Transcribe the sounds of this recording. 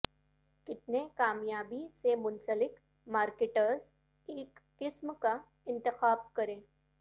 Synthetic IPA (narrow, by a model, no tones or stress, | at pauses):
kɪt̪nekaːmjaːbisemʊnsəlɪk | maːɾkeʈəɾz | eːkːɪsmka | ɪ̃nt̪ɪxaːb̚kəɾẽː